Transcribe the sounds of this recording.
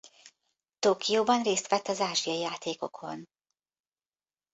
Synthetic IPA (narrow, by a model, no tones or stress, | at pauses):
t̪oːkijoːbɒnreːst̪ʋɛt̪ːɒzaːʒijɒijaːt̪eːko̞kʰo̞̰n